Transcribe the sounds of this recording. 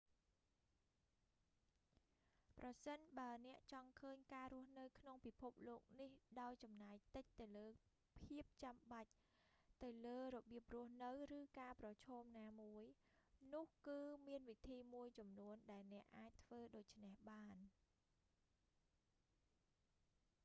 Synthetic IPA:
prɑsənɓaənɛ̆əʔt͡ɕɑŋkʰəːɲkaːɾʊəhnɨwkʰnoŋpipʰup̚loːk̚nihɗaɔjt͡ɕɑmnaɛjt̪ɨc̚t̪ɨwləː | pʰiəp̚t͡ɕamɓac̚ | t̪ɨwləːrɔɓiəp̚rʊəhnɨwrɨːkaːprɑt͡ɕʰɔːmnaːmuəj | nʊ̆əhkɨːmiənʋit̪ʰiːmuəjt͡ɕɑmnuənɗaɛlnɛ̆əʔaːc̚t̪ʰʋəːɗoːc̚t͡ɕʰnehɓaːn

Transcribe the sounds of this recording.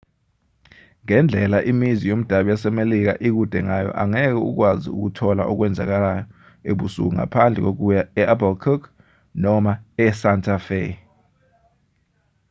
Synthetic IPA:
ŋɛnd͡ɮʱɛlaʔimizijom̩d̥ʱaɓijasɛmelik̬a̰ʔik̬ud̥ʱɛŋajɔ̰ʔaŋɛk̬ɛṵk̬waziṵk̬utʰɔla̰ʔɔk̬wɛnd͡zʱa̰k̬alajɔ | eɓusṵk̬uŋa̰pʰand͡ɮʱɛ̰k̬ok̬ujaɛʔabɔlkʰuk | nɔmaɛsantʰʼafḛ

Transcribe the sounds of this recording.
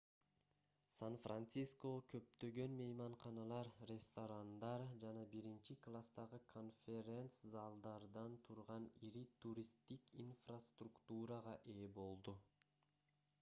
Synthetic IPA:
sanfrant̪sisko̞kʰø̞p̚t̪ø̞ɡø̞nmejmɑɴqɑnɑlˠɑɾrʲest̪oɾand̪ɑɾd͡ʒɑnɑbiɾint͡ʃiklˠast̪ɑʁɯkʰo̞nfʲeɾʲent̪szɑlˠd̪ɑɾd̪ɑnt̪ʰuɾʁɑniɾit̪ʰuɾʲist̪ikinfrast̪rukt̪uɾɑʁɑʔe̞ːbo̞lˠd̪u

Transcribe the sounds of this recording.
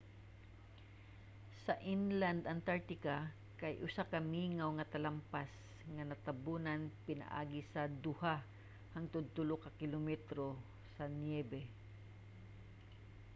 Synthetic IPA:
sɐʔɪnland̪ʔɐnt̪aɹt̪ɪka | kajʔʊsakɐmiːŋawŋɐt̪ɐlampas | ŋɐnɐt̪abunanpɪna̰ʔa̰ːɡɪsɐd̪ʊha | haŋt̪ʊd̪t̪ʊlokɐkɪlomɛt̪ɾo | sɐnjɛbɛ

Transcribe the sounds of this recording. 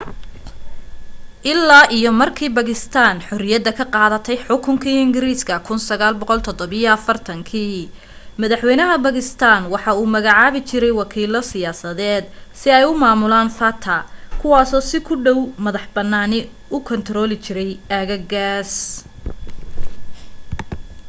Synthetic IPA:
ʔɪlːaːʔijɔmɐrkʰiːbɐɣɪst̪ʰaːnħɔrɪjɐd̪ɐkʰɐqɑːðɐt̪ʰɛjħʊkʰʊŋkʰiːɪŋɡɪɾiːskʰɐkʰʊnsɐɣaːlbɔqɔlt̪ʰɔd̪ɔβijɔɐfɐrt̪ʰɐŋkʰiː | mɐðɐħwɛjnɐɦɐbɐɣɪst̪ʰaːnwɑħɑːuːmɐɣɑʕaːβɪt͡ʃɪɾɛjwɑkʰiːlɔsɪjaːsɐðɛːd̪sɪɛjʊmaːmʊlaːnfɐt̪ʰɐkʰʊwɑːsɔːsɪkʰʊɖɔwmɐðɑħbɐnːaːnɪ | ʊkʰɔnt̪ʰɾɔːlɪt͡ʃɪɾɛjʔaːɣɐɡaːs

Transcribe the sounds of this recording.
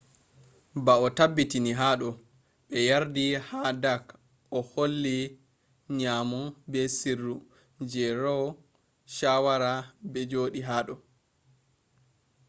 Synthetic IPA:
baɔtabːitiniɦaːɗɔ | ɓɛjaɾdihadak | ʔɔholːi | ɲaːmɔbɛsirːu | d͡ʒɛɾɔw | ʃawaɾabɛd͡ʒoːɗiɦaːɗɔ

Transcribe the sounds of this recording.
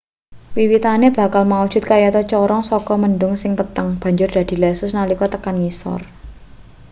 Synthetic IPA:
wiwit̪aneb̥a̤kalmaud̥ʒ̥ʊ̤t̪̚kajat̪ɔt͡ʃɔɾɔŋsɔkɔmənɖʊŋsɪŋpət̪əŋb̥a̤ɲd͡ʒʊrd̥̪a̤d̪̥i̤lɛsʊsnalikɔt̪əkanŋisɔ̰r

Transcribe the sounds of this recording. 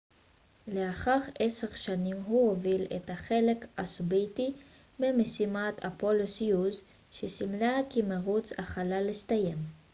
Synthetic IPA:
le̞aχaʁeseʁʃanimɦuhovilḛt̪haχe̞le̞kasbiti | bemesimat̪ʰa̰polosjuz | ʃesimlakimaʁut͡saχalalist̪aje̞m

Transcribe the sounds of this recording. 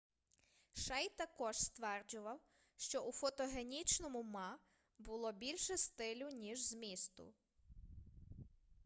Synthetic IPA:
ʃɛjt̪ɐkɔʒst̪ʋɛrd͡ʒʊʋɐw | ʃt͡ʃɔʔufɔt̪ɔɦenʲit͡ʃnɔmʊmɑ | bʊlˠɔbʲilʲʃɛst̪ɪlʲʊnʲiʒzmʲist̪ʊ̰

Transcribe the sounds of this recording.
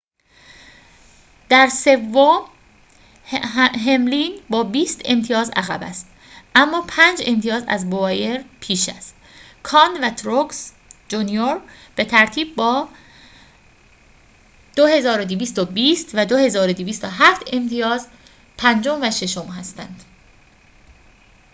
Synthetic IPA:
d̪̥æɾse̞vːom | ɦe̞mlinbɒːbiːst̪e̞mt̪ʰijɒːzæ̰ɣæ̰bæ̰st̪̚ | ʔæmːɒːpʰænd͡ʒe̞mt̪ʰijɒːzæ̰zbovɒje̞ɾpʰiːʃæ̰st̪̚ | kʰɒːnvæt̪ʰɾoks | d͡ʒunijoɾ | b̥e̞t̪ʰæɾt̪ʰiːbːɒː | d̪̥ohe̞zɒːɾod̪iviːst̪obiːst̪væd̪ohe̞zɒːɾod̪iviːst̪oɦæft̪ʰe̞mt̪ʰijɒːz | pʰænd͡ʒo̞mvæʃe̞ʃo̞mɦæst̪ænd̪̥

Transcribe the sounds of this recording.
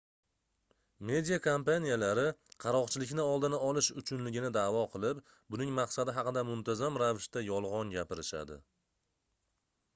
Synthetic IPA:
me̞d̪ʲijakʰompanijalaɾɪqʰɑɾɒqt͡ʃʰɪlɪkʲnɪɒlˠd̪ɪnaɒlˠɪʃʊt͡ʃʰʊnlɪɡʲɪnɪd̪aːvɒqʰɨlˠɪp | bʊnɪŋmɑqsad̪ɪɦɑqɨd̪amʊnt̪ʰazamɾavɪʃt̪ajɒlˠʁɒnɡʲapɪɾɪʃa̰d̪ɪ̰

